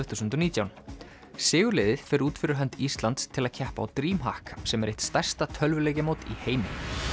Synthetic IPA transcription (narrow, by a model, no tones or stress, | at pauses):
ʏθuːsʏnt̪ʏniːt̪jawn | sɪːɣʏlɛːðɪðfɛːɾuːt̪fɪɾɪɾ̥ɦɛnt̪ist̪lant̪st̪ʰɪlaðcʰɛhpa̰ːwt̪ɾiːmɦa̰hksɛmɛɾeht̪st̪ɛr̥st̪at̪ʰœlvʏlejcɪmowt̪iheːjmɪ